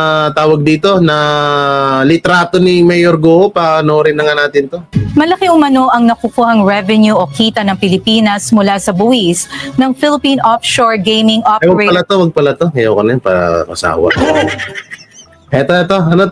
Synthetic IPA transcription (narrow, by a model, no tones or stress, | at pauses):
t̪aːwɐɡ̚d̪iːt̪o̞nɐ | lɪt̪ɾaːt̪onɪmɛjoɾɡoːʔopaɐnoʔoɾɪnlɐŋanaːt̪ɪnt̪o̞mɐlɐkɪŋʊmɐnoʔɐŋnɐkukuːhɐŋɹɛvɛnjuʔokiːt̪ɐnɐŋpɪlɪpiːnɐsmʊlasɐbʊwisnɐŋfɪlɪpiːnʔofʃoɹɡejmɪŋʔopjɛɹepɐlat̪owɐɡ̚pɐlɐt̪oŋɐjawkɐnɐnpa̰kɐ̰sa̰ːwɐ̰ʔ | ɛt̪oɛt̪oɐno